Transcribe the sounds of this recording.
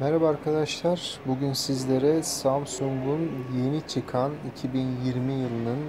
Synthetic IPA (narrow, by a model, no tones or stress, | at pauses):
mɛɾabaːɾkʰad̪aʃlˠaɾbuɟynsizlʲe̞ɾɛsamsuŋɡunje̞nit͡ʃʰɯkʰanicʰibinjiɾmijɯlˠɯnɯn